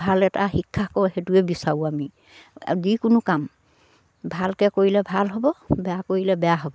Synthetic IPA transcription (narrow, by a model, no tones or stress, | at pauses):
bʱalɛtaxikʰːakɔhɛtuɛbisauami | dikʊnʊkam | bʱalkɛkoɹilɛbʱalɦɔbɔbɛjakoɹilɛbɛjaɦɔbɔ